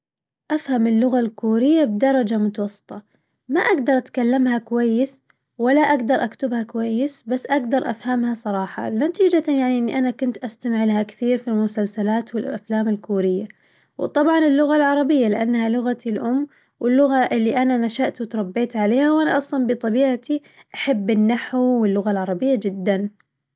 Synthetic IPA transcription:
ʔafhamɪlːʊɣalkuːɾɪjːabd̪ɑɾˤɑd͡ʒamʊt̪ɑwɑsˤːɨ̥t̪ˤɑ | maʔaɡd̪ɑɾˤʔat̪kalːamhakʊwajːɪs | walːaʔaɡd̪ɑɾˤʔakt̪ʊbhakwajːɪsbasːʔaɡd̪ɑɾˤʔa̰fhamhasˤɑɾˤɑːħɑ̰lɪnat̪iːd͡ʒajaʕniʔɪnːiʔanakʊnt̪ʔast̪amʕɪlhakθiːɾfilmʊsalsalaːt̪wɪlʔa̰flaːmɪlkuːɾɪjːa | wt̪ˤɑbʕɑnɪlːʊɣalʕɑɾˤɑbɪjːalɪʔanːhalʊɣat̪ilʔʊmː | wɪlːʊɣaʔɪlːiʔananaʃaʔt̪wɪt̪ɾˤɑbːeːt̪ʕaleːhawʔanaʔɑsˤlɑnbɨt̪ˤɑbiːʕat̪i | ʔaħabːɪnːaħwwɪlːʊɣalʕɑɾˤɑbɪjːad͡ʒɪd̪ːan

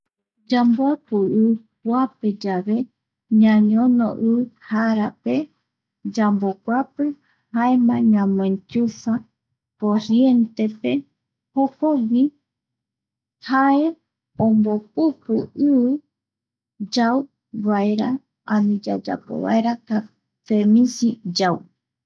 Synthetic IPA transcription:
d͡ʒamboapɨɨɨpʷaped͡ʒaβe̞ | ɲãɲõnõ̰ʔɨɨhaɾape̞ | d͡ʒambokʷapɨ | haemãɲãmẽnt͡ʃusa | poɾje̞nt̪e̞pe̞ | hokowi | hae̞ | õmbop̚upɨɨβɨ | d͡ʒaw | βaeɾa | ãnĩd͡ʒad͡ʒa̰po̰βa̰eɾak̪a | femĩsid͡ʒaw

